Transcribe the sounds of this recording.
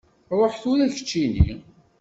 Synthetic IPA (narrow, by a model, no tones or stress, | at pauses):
ɾˤəħθuɾæçə̥t͡ʃːinḭ